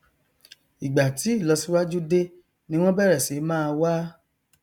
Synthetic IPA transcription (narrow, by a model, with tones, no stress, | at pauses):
i˨ɡ͡ba˨ti˨˦i˦˨lɔ˧si˦wa˦d͡ʒu˦de˦ | nĩ˦w̃ɔ̃˦bɛ˦˨ɾɛ˨si˨˦mãː˦˧wa˦